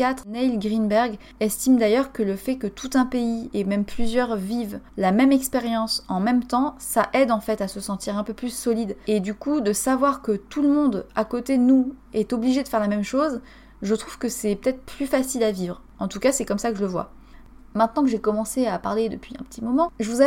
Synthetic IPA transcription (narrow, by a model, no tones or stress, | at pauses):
at̪χnɛilɡʁinbɛʁɡ | ɛst̪imd̪ajœʁkələfɛkət̪ʰut̪ɛ̃peiemɛmplyzjœʁvivlamɛmɛkspeʁjɑ̃sɑ̃mɛmt̪ɑ̃saʔɛd̪ɑ̃fɛt̪asəsɑ̃t̪iʁɛ̃pøplysɔlid̪ed̪ykud̪əsavwaʁkət̪ʰuləmɔ̃d̪akot̪enuɛt̪ɔbliʒed̪əfɛʁlamɛmʃoz | ʒət̪χuv̥kəsɛpə̥t̪ɛt̪χplyfasilavivʁ | ɑ̃t̪ukasɛkɔmsakəʒələvwa̰ | mɛ̃t̪nɑ̃kəʒekɔmɑ̃seapaʁled̪əpɥiɛ̰̃pə̥t̪imɔmɑ̃ʒəvuz